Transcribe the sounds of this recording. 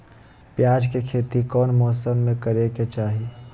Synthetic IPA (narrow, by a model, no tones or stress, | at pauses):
pjaːd͡ʒkekʰeːt̪ikɔːnmɔːsəmːẽkəɾeket͡ʃaːɦi